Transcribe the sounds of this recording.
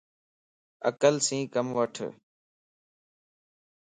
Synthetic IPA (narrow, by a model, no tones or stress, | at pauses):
ə̰kəlsĩːkəmʋəʈʰ